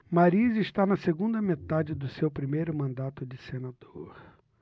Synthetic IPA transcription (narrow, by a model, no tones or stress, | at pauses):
maɾizɪʃt̪anɐseɡũnd̪ɐmet̪ad͡ʒɪd̪ʊsewpɾimejɾʊmɐ̃nd̪at̪ʊd͡ʒɪsenad̪oɾ